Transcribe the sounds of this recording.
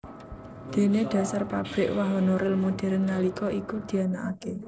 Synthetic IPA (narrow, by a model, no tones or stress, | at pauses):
d̪̥e̤ned̪̥ä̤sarpab̥ɾɪʔwaɦɔnoɾɪlmud̪̥ɛ̤ɾənŋalikɔikud̪̥i̤anaʔake